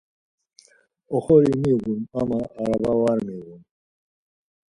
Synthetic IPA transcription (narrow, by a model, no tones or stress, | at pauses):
ɔχɔɾimiɣumamaːɾabawaɾmiɣum